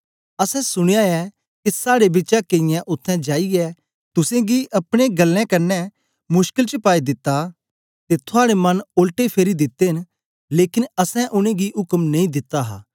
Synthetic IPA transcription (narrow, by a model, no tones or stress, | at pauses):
ɐsɛ̃sʊɽ̃ejaɛ | kisaːɽebɪtːt͡ʃakeɪ̃jãʔʊt̪ʰːɛ̃d͡ʒaːiɛ | t̪ʊsẽɡiʔɐpɽ̃eɡɐlːɛ̃kɐnːɛ | mʊʃkɪlt͡ʃəpaːid̪ɪt̪ːa | t̪et̪ʰʊaːɽemɐnoːlʈepʰeːɾid̪ɪt̪ːeɦɪn | leːkɪnɐsɛ̃ʔʊñẽɡiɦʊkəmnɐ̃ĩd̪ɪt̪ːaɦa̰ː